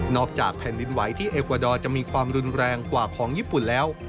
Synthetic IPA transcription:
nɔː˥˩k̚t͡ɕa̰ː˨˩k̚pʰɛː˨˩˦ndi˧nwa˩˦jt̪ʰiː˥˩ʔeː˨˩kwa˧˩dɔː˧t͡ɕa˨˩ʔmiː˧kʰwaː˧mɾu˧nɾɛː˧ŋkwaː˨˩kʰɔː˩˦ŋjiː˥˩pu˨˩nlɛː˦˥w

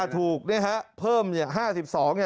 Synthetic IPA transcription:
t̪ʰuː˨˩k̚ni˥˩kʰa˦˥ʔpʰɤː˥˩mni˥˩ɐɦaː˥˩si˨˩p̚sɔː˩˦ŋna˩

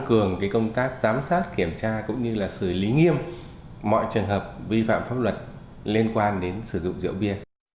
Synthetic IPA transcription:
ŋkɨ˨˩əŋkaː˨˦jkə˧wŋ͡mt̪aː˦˥k̚z̥aː˨˦msaː˦˥t̚ki˧˩əmt͡ɕaː˧kʊ̰˧˥ŋ͡mɲɨ˧laː˨˩sɨ˧˩li˨˦ŋi˧əm | mɔ̰˧˨jt͡ɕɨ˨˩əŋɦəː˨˩p̚vi˧fa̰ː˧˨mfaː˦˥p̚lwə˨˩t̚ | li˧ənkwaː˧nɗe˨˦nsɨ˧˩zʊ̰˧˨ŋ͡mzḭ˧˨əwvi˧ə

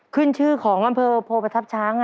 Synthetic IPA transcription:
kʰɯ˥˩nt͡ɕʰɯː˥˩kʰɔː˩˦ŋʔa˧mpʰɤː˧pʰoː˧pa˧t̪ʰa˦˥p̚t͡ɕʰaː˦˥ŋ˧

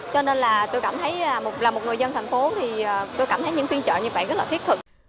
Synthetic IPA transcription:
t͡ɕɔ˧ne˧nlaː˨˩t̪o˧jkaː˧˩mt̪ʰə˨˦jaː˨˩mo˨˩t̚laː˨˩mo˨˩t̚ŋɨ˨˩əjzə˧nt̪ʰjŋ̟fo˨˦t̪ʰi˨˩əː˨˩t̪o˧jkaː˧˩mt̪ʰə˨˦jɲɨ̰˧˥ŋxwi˧nt͡ɕə̰ː˧˨ɲɨ˧ɓə̰˧˨ŋɣə˦˥laː˨˩t̪i˦˥t̚t̪ʰɨ˨˩k̚

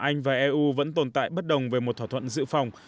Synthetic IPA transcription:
ʔa˧jŋ̟vaː˨˩ʔɛ˧ʔu˧və̰˧˥nt̪o˨˩nt̪a̰ː˧˨jɓə˦˥t̚ɗə˨˩wŋ͡mve˨˩mo˨˩t̪̚ʰwaː˧˩t̪ʰwə̰˧˨nzɨ̰˧˥fa˨˩wŋ͡m

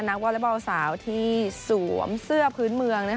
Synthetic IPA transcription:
na˦˥k̚wɔ˧˥le˦˥˩ba˧wsaː˩˦wt̪ʰiː˥˩suː˩˦əmsɯ˥˩ɐəpʰɯː˦˥nmɯ˧əŋna˦˥˩

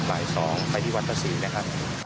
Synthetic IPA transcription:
baː˨˩jsɔː˩˦ŋpa˧jt̪ʰiː˥˩wa˦˥t̪ʰa˧˩siː˨˩˦na˦˥kʰa˦˥p̚

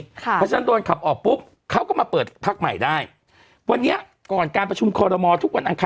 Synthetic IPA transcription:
ɔ˦˥t͡ɕaː˧˩˦ndo˧nkʰa˨˩p̚ʔɔː˨˩k̚pu˦˥p̚ | kʰa˦˥wkɔː˥˩maː˧pɤː˨˩t̪̚pʰaː˦˥˩k̚ma˨˩jdaː˥˩j | wa˧nːi˦˥ɐ | kɔː˨˩nkaː˧npɾa˧t͡ɕʰu˧mkʰɔː˧ɾɔː˧mɔː˧t̪ʰu˦˥k̚wa˧nʔa˧ŋkʰa˧

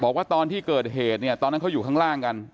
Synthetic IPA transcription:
bɔː˨˩k̚waː˥˩t̪ɔː˧nt̪ʰiː˥˩kɤː˨˩t̪̚ɦeː˨˩t̪̚ni˥˩ɐt̪ɔː˧nː˦˥ka˦˥wjuː˨˩kʰa˥˩ŋlaː˥˩ŋka˧n

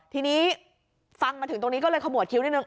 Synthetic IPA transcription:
t̪ʰiː˧niː˦˥ | fa˧ŋmaː˧t̪ʰɯ˩˦ŋt̪o˧ŋni˦˥kɔ˥˩ɤː˧jkʰa˧mu˨˩ət̪̚kʰi˧˦wna˥˩nɯ˧˩ŋ

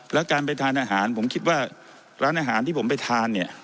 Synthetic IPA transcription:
lɛ˦˥wkaː˧np̬a˧jt̪ʰaː˧nʔaː˧ɦaː˩˦npʰo˩˦mkʰi˦˥t̪̚waː˥˩ | ɾaː˦˥nʔaː˧ɦaː˩˦nt̪ʰiː˥˩pʰmpa˧˩jt̪ʰaː˧nːi˥˩ɐ

